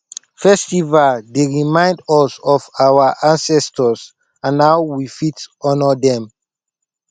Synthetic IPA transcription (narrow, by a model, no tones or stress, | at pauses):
fɛstivaldeɹimãɪ̃ndɔsɔfawaʔãnsɛstɔs | ãnːawwifitɔnɔdɛ̃m